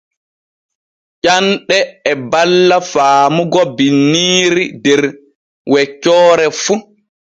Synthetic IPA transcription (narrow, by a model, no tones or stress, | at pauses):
ʔanɗɛːbalːafaːmuɡɔbinːiːɾidɛɾ | wɛt͡ʃːɔːɾɛfu